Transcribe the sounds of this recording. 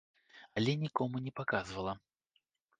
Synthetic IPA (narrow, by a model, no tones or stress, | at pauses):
ɐlʲɛnʲikɔmunʲɛpakazvɐlˠɐ